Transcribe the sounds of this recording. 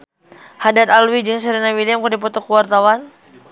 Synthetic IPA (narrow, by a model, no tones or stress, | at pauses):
hadat̪alwid͡ʒɨŋs̬əɾinawiliamkərdipɔt̪ɔkuwart̪awan